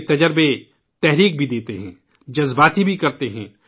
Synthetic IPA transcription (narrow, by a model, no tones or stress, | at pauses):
t̪ɐd͡ʒəɾbe | t̪ɛɦɾiːk̚bʱid̪eːt̪eɦɛ̰̃ː | d͡ʒɐzbaːt̪ibʱikɐɾt̪eɦɛ̃ː